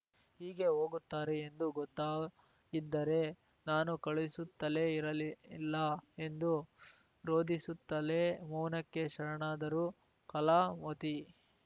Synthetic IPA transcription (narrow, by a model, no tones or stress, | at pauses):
hiːɡe̞ɦo̞ːɡut̪ːaːɾeːnd̪uɡɔt̪ːaː | id̪ːɐɾe̞ | naːnukɐɭisut̪ːɐle̞iɾɐlilːɐe̞nd̪u | ɾo̞ːd̪isut̪ːɐlemuːnɐkːe̞ʃɐɾɐɳaːd̪ɐɾuː | kɐlaːmɐt̪i